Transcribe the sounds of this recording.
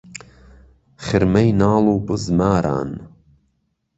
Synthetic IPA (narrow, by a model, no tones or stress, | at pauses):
χɨɾmɐjnaːluːbɨzmaːɾa̰ːn